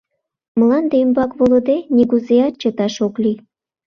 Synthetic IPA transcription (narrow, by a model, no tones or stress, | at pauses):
məlɑnd̪eymbɑkβolŏd̪enʲiɣuzeɑt̪̚t͡ɕɤ̆t̪ɑʃoklʲi